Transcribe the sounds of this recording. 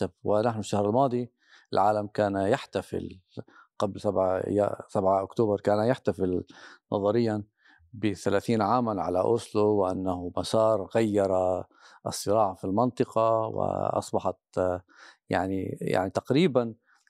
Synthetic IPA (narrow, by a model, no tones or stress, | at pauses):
abwɪnaħnʊʃːahɾɪlmɑːd̪ˤi | ʔɪlʕaːlamkaːnjaħt̪afɪ̰lqablsaʕj̰sabʕaʔʊkt̪oːbɑɾˤkaːnajaħt̪afɪlnʔɑ̰ðˤɑɾɪjːa | bɪθalaːθiːnʕaːmanʕa̰laʔʊsluwɪʔa̰nːahʊmasɑːɾˤɣajːɑɾˤɑ | ʔɨ̰sˤːɨɾɑːʕafilmɑnt̪ˤɨqɑwɪ̰ʔɑ̰sˤbɑħɑt̪ | ja̰ʕnḭja̰ʕnit̪aqɾiːban